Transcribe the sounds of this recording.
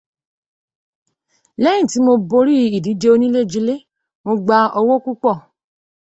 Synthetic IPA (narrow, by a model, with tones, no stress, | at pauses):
lɛ˦j̃ĩ˦˨ti˨˦mo˧bo˧ɾi˦i˨di˨˦d͡ʒe˧˦o˧nĩ˦le˦˨d͡ʒi˧le˦ | mo˧ɡ͡ba˧ɔ˧wo˦ku˦k͡pɔ˦˨